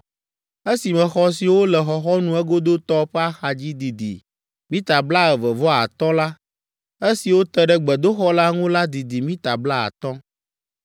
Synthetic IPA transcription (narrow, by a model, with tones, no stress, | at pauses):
e˦si˨mɛ̃˨xɔ˦s̬i˨wo˦lɛ˨xɔ˨xɔ˦nũ˨ɛ˦ɡo˦d̪o˦t̪ɔ˦ɸɛ˦a˦xa˨d͡ʑi˦d̪i˨d̪ḭ˨ | mĩ˦t̪a˨bla˦ɛ˨vɛ˨vɔ˦a̰˨t̪ɔ˦la˦ | e˦si˨wo˦t̪ɛ˦ɖɛ˦ɡ͡bɛ˨d̪o˦xɔ˦la˦ŋũ˦la˦d̪i˨d̪i˨mĩ˦t̪a˨bla˦a̰˨t̪ɔ˦